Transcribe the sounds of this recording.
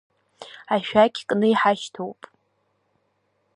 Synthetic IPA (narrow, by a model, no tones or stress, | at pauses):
aʃᶣakʲʰkʼnɨiħaʃtʰowpʼ